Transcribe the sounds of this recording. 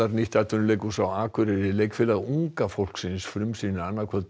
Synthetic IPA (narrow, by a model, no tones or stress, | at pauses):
aɾniht̪at̪ɔnleːjkusawaːkʰʏɾɪɾɪleːjkfɪlaðuŋkafowl̥ksɪnsfɾʏmsinanːaɾkʰɛð